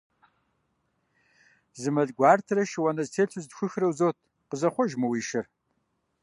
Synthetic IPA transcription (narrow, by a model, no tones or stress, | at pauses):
zɨmɐɮɡʷaːrtʰrɐʃɪwɐnɐztʰeːɬʰʊzdxʷʊxrɐwzoːt̚ʰʼ | qəzɐχʷɔʒmɐwiːʃɪr